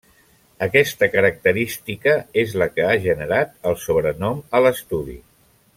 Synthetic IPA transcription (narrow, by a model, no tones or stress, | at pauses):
əkɛst̪əkəɾək̚t̪əɾist̪ikəezləkəaʒənəɾat̪əlˠsoβɾənɔmələst̪uðḭ